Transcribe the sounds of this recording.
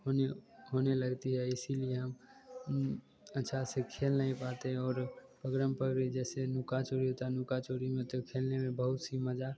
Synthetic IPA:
ɦoneɦoːneləɡt̪iɦɛɪsilieɦɐm | ətːʃʰasekʰeːlnaĩpaːt̪eɦɛ̃ɔːɾpəɡɾəmpəɾbid͡ʒɛːsenʊkat͡ʃoːɾiɦot̪anʊkat͡ʃoːɾimẽt̪okʰeːlnemẽbəɦʊt̪siməd͡ʒa

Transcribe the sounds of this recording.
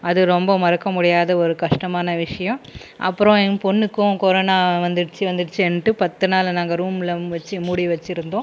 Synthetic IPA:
ɐðɯɾɔmbɐmɐɾɐkːɐmʊɽɪjaːðɐɔɾɯkɐʂʈɐmaːnɐʋɪʂɐjɐ̃mʔɐ̰pːɯɾɔ̃ɛpɔnːɯkːʊ̃kɔɾoːnaːʋɐnd̪ɯɽɯt͡ʃːɯʋɐnd̪ɯɽɯt͡ʃːɯɛɳʈːɯpɐt̪ːɯnaːlnaːŋɡɐɾuːmɪlɐʋɐt͡ʃːɯmuɽiʋɐt͡ʃːɪɾɯnd̪õː

